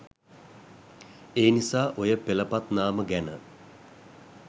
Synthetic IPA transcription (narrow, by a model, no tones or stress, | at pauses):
eːnisaːʔojəpeləpat̪naːməɡænə